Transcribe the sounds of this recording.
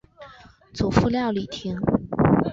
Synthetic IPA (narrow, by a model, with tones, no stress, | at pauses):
t͡su˨˩fu˥˧ljɑ˥˩ʊli˨˩t̪ʰi˧˥ŋ